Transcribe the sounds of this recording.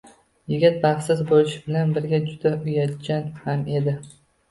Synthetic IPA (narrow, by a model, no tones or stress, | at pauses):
jɪɡʲɪt̪̚baχsɪzbolɪʃɪbɪlanbɪɾɡʲad͡ʒʊd̪̥aʊjat̪d͡ʒʲanhame̞d̪ɪ